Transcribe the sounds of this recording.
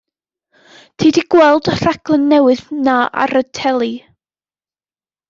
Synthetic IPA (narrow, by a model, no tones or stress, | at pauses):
tʰiːdiɡ̥wɛlˠdər̥aɡʰlˠənːɛwɨðnaa̰ɾətʰɛlˠi